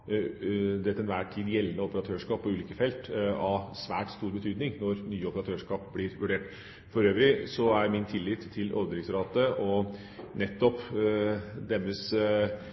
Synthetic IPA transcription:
d̪ɛt̪ːɛnʋæːʈʰiːd̪jɛlːənəɔpəɾɑt̪ʰøːʂkɑːpʰːɔʉːliːkəfɛlt̪ɑsʋæ̰ːʈst̪uːɾbət̪ʰyːd̪nɪŋnɔɾnyːəɔpəɾɑt̪ʰøːʂkɑːp̚blɪɾʋʉɖeːʈ | fɔɾøːʋɾɪsɔæɾmɪnt̪ʰɪlːɪːt̪ʰːɪlʔɔ̰ɾd̪ɾɪŋsɾɑːt̪əʔɔ | nɛt̪ːɔp | d̪ɛmːəs

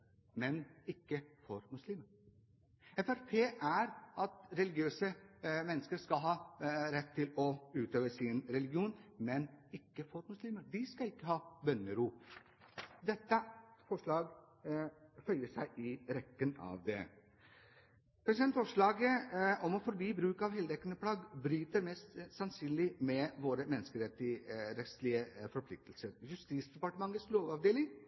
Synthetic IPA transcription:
mɛnɪkːəfɔɾmʉsliːməɾ | ɛfæɾpʰeːʔæɾʔɑt̪ɾɛlɪɡɪøːsəmɛnːəskəɾʂkɑlɦɑːɾɛt̪ʰːɪlɔʉːt̪øːʋəsɪnɾɛlɪɡɪuːnmɛnɪkːəfɔɾmʉsliːməɾd̪ɪskɑɪkːəɦɑːbœnːəɾuː | d̪ɛt̪ːəfɔʂɭɑːɡ | hœʏəʂæ̰ɪʔɪɾɛkːənɑ̰ːʋd̪ɛ̰ | pʰɾɛsɪd̪ɛnt̪fɔʂɭɑːɡəɔmɔfɔɾbiːbɾʉːkɑʋhɛld̪ɛkːənəpʰlɑːɡbɾyːt̪əɾmɛst̪sɑnsyːnlɪmɛʋoːɾəmɛnːəskəɾɛt̪ːɪɾɛt̪st̪lɪəfɔɾpʰlɪk̚t̪əlsəɾjʉst̪iːsd̪ɛpɑʈəmɑŋːət̪sloːʋɑʋd̪eːlɪŋ

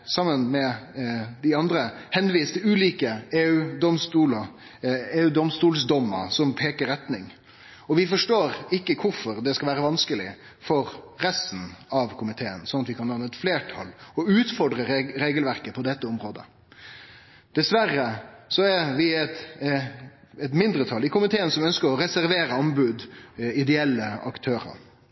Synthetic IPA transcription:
sɑmːənmɛ | d̪ɪɑnd̪ɾəhɛnʋiːst̪ʰɪlʉːliːkəeːʉd̪ɔmst̪uːlə | eːʉːd̪ɔmst̪uːlsd̪ɔmːə̰sɔmpʰeːkəɾɛt̪nɪŋ | ɔʋɪfɔʂʈoːɾɪkːəkʰʊɾfɔɾd̪ɛskɑlʋæːɾəʋɑnskəlɪ | fɔɾɾɛst̪n̩ɑʋkʰʊmɪt̪ʰeːənsɔnɑt̪ʋɪkʰɑnɑnɛt̪fleːʈʰɑ̰lɔʉːt̪fɔɖɾəɾeːɡəlʋæɾkəpʰɔd̪ɛt̪ːəɔmɾoːd̪ə̰ | d̪̥ɛsʋæɾːəsɔɛʋɪɛt̪ | ɛt̪mɪnd̪ɾət̪ʰɑlɪkʰʊmɪt̪ʰeːənsɔmœnskəɾɔɾɛsæɾʋeːɾəɔmbʉd̪ɪd̪ɛɛlːəɑkt̪ʰøːɾə̰ɾ

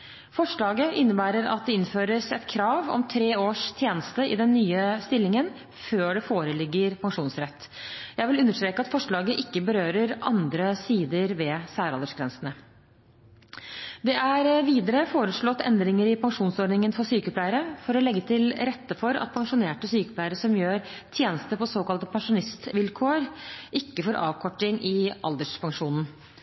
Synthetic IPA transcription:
fɔʂɭɑːɡəʔɪnːəbæːɾəɾɑ̰t̪̚d̪ɛɪnføːɾəsɛt̪kʰɾɑːʋɔ̰mt̪ʰɾeːoːʂt̪ʰjeːnəst̪əɪ̰d̪ɛnːyːəst̪ɪlːɪŋən | føːɖɛfoːɾəlɪɡːəɾpʰɑŋʂuːnsɾɛt̪ːjæɪʋɪlʉnːəʂt̪ɾeːkɑt̪fɔʂɭɑːɡəʔɪkːəbəɾøːɾəɾʔɑnd̪ɾəsiːd̪əɾʋɛsæːɾɑld̪əʂɡɾɛnsənə | d̪ɛʔæɾʋiːd̪əɾəfoːɾəʂɭɔt̪ːɛ̰nd̪ɾɪŋəɾɪpʰɑŋʂuːnsɔɖnɪŋənfɔsyːkəpʰlæɪəɾəfɔɾɔlɛɡːət̪ʰɪlɾɛt̪ːəfɔɾɑ̰t̪̚pʰɑŋʂʊneːʈəsyːkə̥plæɪəɾəsɔmjøːɾt̪ʰjeːnəst̪əpɔsoːkɑlt̪əpʰɑŋʂʊnɪst̪ʋɪlkʰoːɾʔɪkːəfɔɾʔɑ̰ːʋkʰɔʈːɪŋʔɪʔɑ̰ld̪əʂpʰɑŋʂuːnn̩

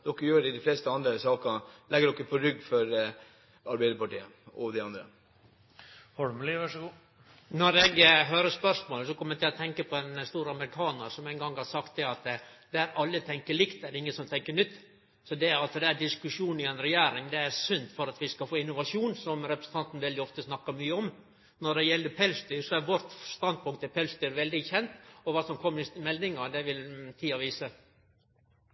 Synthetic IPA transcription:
d̪̥ɔkːəjøːɖɛɪd̪ɛɪfleːst̪əɑnd̪ɾəsɑːkəlɛɡəɖɔkːəpʰɔɾʏɡːfɔɾ | ɑɾbæɪd̪əɾpɑʈiːəɔd̪ɛɪɑnd̪ɾə̰ | fɔɾmliʋɑʂɡuː | nɔɾɛɡɦøːɾəspœʂmoːləsɔkʰɔmːɛt̪ɪlɔt̪ʰɛŋkəpʰɔɛnst̪uːɾɑməɾɪkʰɑːnəɾsɔmɛɪnɡɑŋːhɑsɑkt̪̚d̪ɛɑt̪d̪̥ææɾɑlːət̪ʰɛŋkəɭɪkt̪ɛdɪŋːəsɔmt̪ʰɛŋkəɳʏt̪ː | sɔd̪ɛɑlsəd̪ɛæɖɪskʉʂuːnɪɛnɾɛjæːɾɪŋd̪ɛæɾsʉnt̪fɔɾɑt̪ʋɪskɑfoːɪnːʊʋɑʂuːnsɔmɾɛpɾəsn̩t̪ɑnt̪n̩ʋɛld̪ɪɔft̪əsnɑkːɑmyːəɔm | nɔɖɛjɛlːəpʰɛlst̪yːsɔæɾʋɔɾt̪st̪ɑnd̪̚pʊŋkt̪ːɛpʰɛlst̪yɾʋɛld̪ɪçɛnt̪ɔʋɑːsɔmkʰɔmːəɾɪsmɛld̪ɪŋɑd̪ɛʋɪlt̪ʰiːɑʋiːsə

